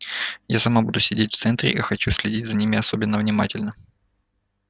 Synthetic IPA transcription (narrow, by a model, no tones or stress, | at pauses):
jasɐmabud̪ʊsʲɪdʲetʲft̪sɛnt̪ɾʲɪ̰ʔixɐt͡ɕusʲlʲɪdʲitʲzɐnʲimʲɪɐsobʲɪnːəvnʲɪmatʲɪlʲnə